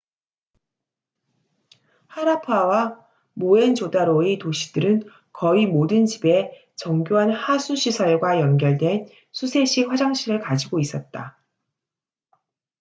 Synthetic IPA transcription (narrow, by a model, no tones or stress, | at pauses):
haɾapʰawa | moe̞nt͡ɕodaɾoetoɕʰi̥d̥ɯɾɯn | kʌimodɯnt͡ɕibe̞ | t͡ɕʌŋɡjoɦanhasʰuɕʰisʰʌɭɡwajʌnɡjʌɭdwe̞n | sʰusʰe̞ɕ͈ʰiɸwad͡ʑaŋɕʰiɾɯɭkad͡ʑiɡois͈ʌt̚t͈a